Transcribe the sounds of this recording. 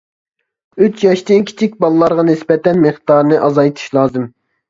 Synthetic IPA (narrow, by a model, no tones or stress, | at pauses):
yt͡ʃʰjɑʃd̪ɪnkʲʰi̥t͡ʃʰik̚ʲbɑlˠɨlˠɑɾʁɑnɪsbɛt̪ɛnmeχt̪ɑːɾnɨʔɑzɑjt̪ʰɨ̥ʃlˠɑːzɨm